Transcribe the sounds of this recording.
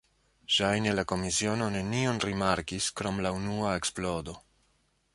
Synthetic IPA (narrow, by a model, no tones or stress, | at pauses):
ʃajne̞lako̞misio̞no̞ne̞nio̞nɾimaɾkiskɾo̞mlaunuae̞ksplo̞do̞